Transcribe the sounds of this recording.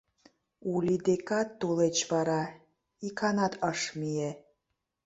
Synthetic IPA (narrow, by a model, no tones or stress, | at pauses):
ulʲid̪ekɑt̪ːolet͡ɕβɑɾɑ | ikʰɑnɑt̪əʃmije